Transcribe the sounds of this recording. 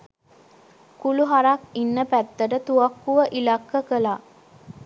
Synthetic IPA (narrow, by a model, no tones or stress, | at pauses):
kuluɦaɾakinːəpæt̪ːəʈət̪uɐkːuʋəʔilakːəkəlaː